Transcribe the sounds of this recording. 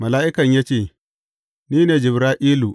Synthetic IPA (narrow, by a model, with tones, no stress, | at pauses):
mɐ˨laː˦ʔɪ˦kɐ˨ɲjaː˦t͡ʃeː˦˨ | niː˦neː˨d͡ʒɪ˨bɾaː˦ʔiː˦lu˨